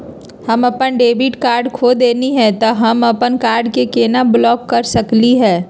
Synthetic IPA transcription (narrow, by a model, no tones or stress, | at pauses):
hɐmɐpənɖeːbɪʈkaːɾɖkʰoːd̪eːniɦɛt̪oɦɐmɐpənkaːɾɖkekeːnablɔːkːɐɾsɐkliɦɛː